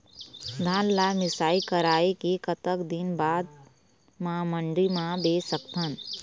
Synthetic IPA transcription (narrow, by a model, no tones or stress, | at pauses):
d̪ʱaːnlaːmɪsaːikəɾaːekekət̪əkd̪ɪnbaːd̪ | mamə̃ɳɖimãbeːsəkt̪ʰən